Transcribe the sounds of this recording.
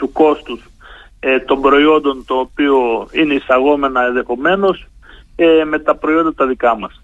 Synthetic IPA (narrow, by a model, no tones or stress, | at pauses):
t̪uko̞st̪us | et̪o̞mbɾo̞io̞nd̪o̞nt̪o̞ːpio̞ine̞isɐɣo̞me̞nɐenðe̞xo̞me̞no̞seme̞t̪ɐpɾo̞io̞nd̪ɐt̪ɐðikɐmɐs